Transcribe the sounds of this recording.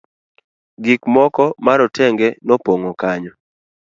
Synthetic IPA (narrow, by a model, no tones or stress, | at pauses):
ɡikmɔkɔmaɾɔtʰɛŋɡɛnɔpoŋokaɲɔ